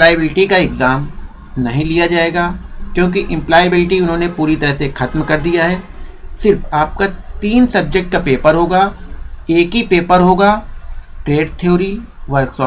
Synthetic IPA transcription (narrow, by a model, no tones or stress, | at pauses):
plaːjəbɪlʈikaɪɡzaːm | nɐɦĩlijad͡ʒaːeːɡaːkjõːk̬iʔɪ̃mplaːjəbɪlʈiʊnɦõːnepuːɾit̪ɐɾəɦsexɐt̪mkɐɾd̪ijaɦɛːsɪɾfaːp̚kat̪iːnsɐb̚d͡ʒek̚ʈ̚kapeːpəɾɦoːɡaːeːkɦipeːpəɾɦoːɡaːʈɾeːɖt̪ʰijoːɾiʋɐɾksɔː